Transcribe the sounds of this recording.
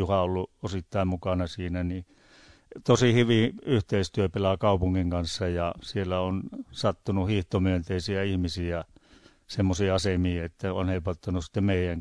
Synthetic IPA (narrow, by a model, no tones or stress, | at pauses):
juhɑolːuosit̪ːɑimmukɑnɑsiːnæni | t̪osihyʋiyht̪eist̪yøpelɑkɑupuŋːiŋkɑnsːɑjɑsielːæonsɑt̪ːunuhiht̪omyønt̪eisiæihmisiæ | semːosiɑsemiːet̪ːæonheipɑt̪ːɑnussĭ̥t̪ːemmeijæŋ